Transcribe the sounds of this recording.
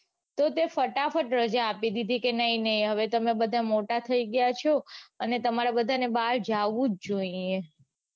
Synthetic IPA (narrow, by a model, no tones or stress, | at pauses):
t̪ot̪efəʈafəʈɾəd͡ʒaːpid̪id̪ʱikenəinəɦĩɦəʋet̪əmebəd̪ʱamoʈat̪ʰəiɡəjat͡ʃʰoənet̪əmaɾabəd̪ʱanebaɭd͡ʒaʋũd͡ʒd͡ʒoie